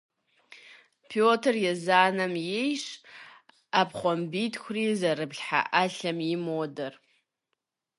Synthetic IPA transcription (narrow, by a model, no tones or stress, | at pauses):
pʰjotʰrjazaːnamjejʂ | apʰχʷambitʰkʷʰrizaɾɨbɮħa̰ʔaɬamimodɨr